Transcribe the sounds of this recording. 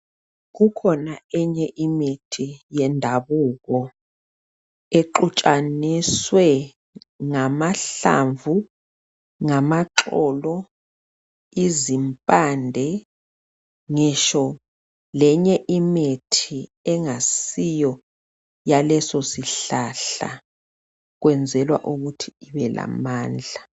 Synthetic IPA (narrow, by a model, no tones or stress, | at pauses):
ɣukʰɔnaɛɲɛʔimetʰijɛndʱaβuɣɔ | eǃut͡ʃʼaniswɛ | ŋamaɬa̰ɱvu | ŋamaǁɔːlɔ | izimpʼandʱɛ | ŋɛʃɔ | lɛɲɛʔimetʰiɛŋasijɔ | jalɛsɔsiɬaɬa̰ | ɣwɛnd͡zʱɛlwa̰ʔuɣutʰiiβɛla̰maːnd͡ɮʱa